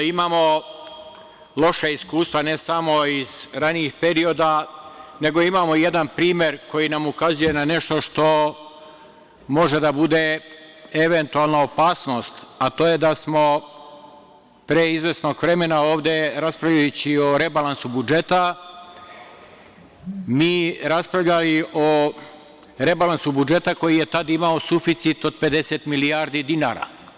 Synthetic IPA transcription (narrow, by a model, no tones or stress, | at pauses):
imaːmo̞ | lˠo̞ʃeiskuːst̪ʋanesamo̞iz̥ɾaniixpe̞ɾio̞d̪ane̞ɡo̞imaːmo̞je̞d̪anpɾiːmje̞ɾko̞jinamukazuje̞nane̞ʃt̪o̞ʃt̪o̞ | mo̞ʒe̞d̪abud̪e | eʋent̪ualˠnaopaːsno̞ːst̪at̪oːje̞d̪asmo̞ | pɾeizʋe̞sno̞ɡʋɾe̞me̞nao̞ːʋd̪e̞ɾaspɾavlʎajut͡ɕioɾe̞balansubud͡ʒe̞t̪a | miːɾaspɾaʋʎaliʔo | ɾe̞balansubud͡ʒe̞t̪ako̞jije̞t̪ad̪imaosufit̪sit̪o̞d̪̚pe̞d̪e̞set̪milijaɾd̪id̪ina̰ɾa̰